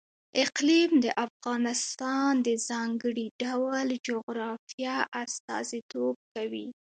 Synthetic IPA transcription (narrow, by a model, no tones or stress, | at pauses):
ɪqlimd̪əʔafɣɑnɪst̪ɑnd̪əzɑŋɡəɽiɖawld͡ʒoɣɾɑfijɑʔast̪ɑ̰zit̪ob̚kawi